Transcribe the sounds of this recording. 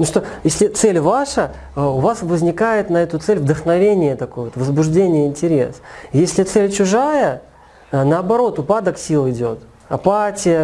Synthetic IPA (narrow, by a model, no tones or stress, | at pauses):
nuʂt̪ojesʲlʲɪt̪sɛlʲvaʂə | əʊvasvəzʲnʲɪkajɪt̪nɐɛt̪ʊt̪sɛlʲvd̪əxnɐvʲenʲɪjət̪ɐko̞jəvot̪vəzbʊʐdʲenʲɪjəɪnʲtʲɪɾʲe̞̰sjesʲlʲɪt̪sɛlʲt͡ɕʊʐajə | nəɐbɐɾo̞t̪ʊpad̪əksʲilˠɪdʲo̞t̪ | ɐpatʲɪjə